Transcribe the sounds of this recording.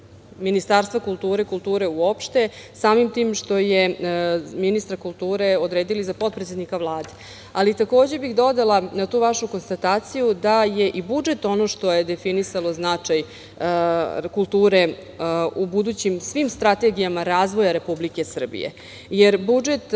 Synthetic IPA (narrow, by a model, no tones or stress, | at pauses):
minist̪aɾst̪ʋakulˠt̪uːɾekulˠt̪uːɾe̞uo̞pʃt̪e̞saːmimt̪iːmʃt̪o̞je | minist̪ɾakulˠt̪uːɾe̞o̞d̪ɾe̞ːd̪ilizapo̞t̪̚pɾet̪sed̪nikaʋlˠaːd̪e | alit̪ako̞ːd͡ʑe̞bixd̪o̞d̪alˠanat̪uːʋaʃuko̞nst̪at̪aːt̪sijud̪aje̞ʔibud͡ʒe̞t̪o̞no̞ʃt̪o̞jed̪efinisalo̞znat͡ʂaj | kulˠt̪uːɾe̞ | ubud̪ut͡ɕimsʋimst̪ɾat̪eɡijamaɾaːzʋo̞jaɾe̞publikesr̩bḭjḛ | jeɾbud͡ʒet̪